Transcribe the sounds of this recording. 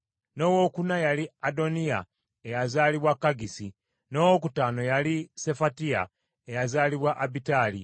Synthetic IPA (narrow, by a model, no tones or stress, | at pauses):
no̞ːwo̞ːkunajaliado̞nia̰ | ejazaːliβwakːaɡisi | no̞ːwokutaːno̞jalise̞fatia̰ | ejazaːliβwaʔabitaːli